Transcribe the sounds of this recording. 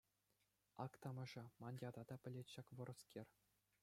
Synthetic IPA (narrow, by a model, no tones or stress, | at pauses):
ɑkt̪ɑmɤ̆ʐɑmɑnʲdʲɑd̪ɑd̪ɑpʲɘ̆lʲetʲɕɑkʋɤ̆ɾɤ̆skʲerʲ